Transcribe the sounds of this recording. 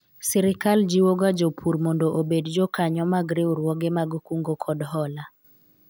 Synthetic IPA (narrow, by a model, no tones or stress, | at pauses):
sɛɾɪkald͡ʒiwoɡad͡ʒopʰuɾmɔndoʔobedd͡ʒokaɲɔmaɡɾiɾwɔɡɛmaɡkuŋɡokʰɔdɦɔla